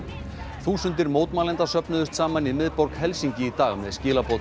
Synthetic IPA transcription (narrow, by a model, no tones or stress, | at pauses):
θuːsʏnt̪ɪɾmoːwt̪maːlɛnt̪asœpnʏðʏst̪saːmaniðmɪðpɔɾkhɛlsiɲcɪit̪aːɣʏmɛðscɪːlapowt̪